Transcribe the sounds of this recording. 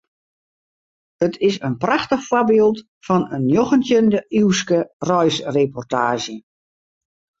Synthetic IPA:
ətʰɪsənpraxtəxfwɔbeːlˠt | fɔnənjoxəntjəndəʔiwskərɔjsrepɔrtaːʒə

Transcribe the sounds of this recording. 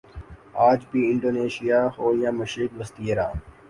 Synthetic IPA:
aːd͡ʒbiɪ̃ɳɖoːneːʃijaːhoːɾijãːmʊʃɾɪkʋəst̪iəɾã̰ː

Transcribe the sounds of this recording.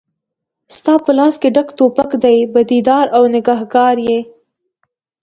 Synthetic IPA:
st̪ɑpəlɑskeɖakt̪opakd̪ajbad̪id̪ɑɾawnɪɡɑhɡɑɾje

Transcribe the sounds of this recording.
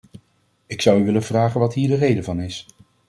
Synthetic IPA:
ɪksʌwyʋɪləvraːχənʋɑtɦiːɹdərejdəvɑnɪs

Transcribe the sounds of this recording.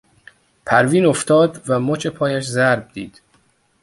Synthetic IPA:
pʰæɾviːno̞ft̪ʰɒːd̪væmot͡ʃʰe̞pʰɒːjæʃzæɾb̚d̪iːd̪̥

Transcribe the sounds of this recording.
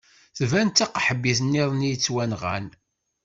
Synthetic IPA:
θvænt̪æqħəbːiθənːiðˤnijt͡sːwænʁæ̰n

